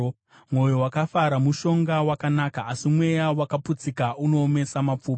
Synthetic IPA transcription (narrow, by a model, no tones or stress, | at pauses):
mwo̞jo̞wakafaɾamuʃo̞ŋɡawakanakaːsimwe̞jawakaput͡sikaʔuno̞ːme̞samap͡fuːp